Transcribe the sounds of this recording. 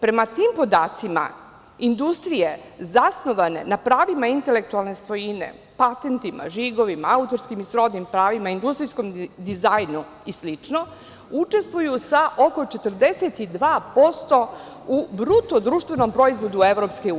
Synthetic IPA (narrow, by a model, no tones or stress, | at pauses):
pɾe̞mat̪iːmpo̞d̪aːt̪sima̰ | ind̪ust̪ɾijezasno̞ʋane̞̰napɾaːʋimaint̪e̞le̞k̚t̪ualˠne̞sʋo̞jine̞̰ | pat̪e̞nt̪ima̰ʒiɡo̞ʋimaaut̪o̞ɾskimisɾo̞d̪nimpɾaːʋimaind̪ust̪ɾisko̞md̪izajnu | islit͡ʂno | ut͡ʃe̞st̪ʋujusaʔoko̞t͡ʃe̞t̪rd̪e̞set̪id̪ʋaːpo̞st̪o̞ | ubɾut̪od̪ɾuːʃt̪vʋenompɾo̞izʋo̞d̪ue̞ʋɾopskeuː